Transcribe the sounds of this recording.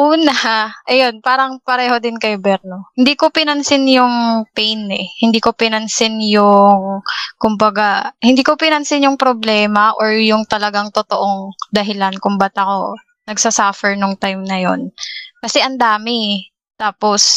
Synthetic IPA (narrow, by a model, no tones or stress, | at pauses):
ʔuːnɐhaʔɐjo̞npaːɾɐŋpɐɾɛːho̞d̪ɪnkɐjbɛɾno̞hɪnd̪iːkopɪnɐnsɪnjʊŋpɛjnɛhɪnd̪iːkopɪnɐnsɪnjʊŋkʊmbɐɡahɪnd̪iːkopɪnɐnsɪnjʊŋpɾoblɛːmɐʔoɹjʊŋt̪ɐlɐɡaŋt̪ot̪oʔoŋd̪ɐɦɪlankʊmbat̪ɐko̞ | nɐɡsɐsaːfɛɹnʊŋt̪ajmnɐjo̞̰nkɐsɛʔɐnd̪aːmɪ | t̪aːpo̞s